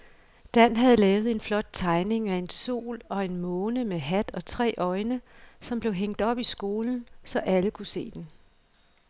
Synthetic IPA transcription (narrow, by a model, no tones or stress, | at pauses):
d̥æn̰ɦæð̞̩ˠlɛːʊð̞̩ˠe̝nflɒ̽d̥̚t͡sʰɑ̈ɪne̝ŋæe̝nso̝̰ːlɒ̽e̝nmɔ̽ːnəmeɦæd̥ɒ̽t͡sʰʁɛ̰ːʔɒ̽ɪnəsɒ̽mb̥le̝ʊɦeŋ̰d̥ɒ̽b̥isɡ̥o̝ːln̩sɒ̽ʔæləkʰuse̝̰ːd̥en